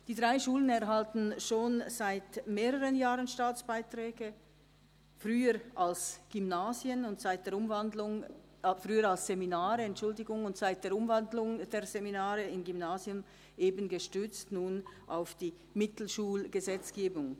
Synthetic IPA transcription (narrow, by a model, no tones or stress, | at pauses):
d̥iːdʁaɪʃuːlənɛɐɦaltn̩ʃoːnz̥aɪtmeːʁəʁənjaːʁənʃtaːt͡sb̥aɪtʁ̥ɛːɡə | fʁyːəʁʔalsɡ̥ymnaːzjənʊntz̥aɪtd̥eːʊmvandlʊŋ | fʁyːəɾalsz̥eminaːʁəɛntt͡ʃʊldɪɡʊŋʊntz̥aɪt̚d̥eːɐʊmvandlʊŋd̥eːɐzeminaːʁəɪnɡymnaːzjʊm | ʔeːbənɡəʃtʏt͡stnuːnʔaʊfd̥iː | mɪtl̩ʃuːlɡ̥əzɛt͡sɡ̥eːbʊŋ